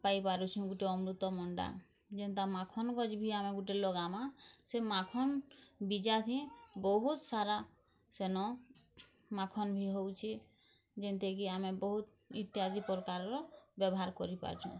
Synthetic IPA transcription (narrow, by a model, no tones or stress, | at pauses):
paipaɾut͡ʃʰũɡuʈeɔmɾut̪ɔmɔɳɖa̰ | d͡ʒent̪amakʰɔnɡɔd͡ʒbʱiameɡuʈelɔɡamasemakʰɔnbid͡ʒat̪ʰĩbɔɦut̪saɾa | senɔ | makʰɔnbʱiɦowt͡ʃʰi | d͡ʒent̪ʰekiamebɔɦut̪ | ḭt̪ːiad̪ipɔɾkaɾɾɔbɛbɔɦaɾkɔɾipa̰ɾt͡ʃʰṵ̃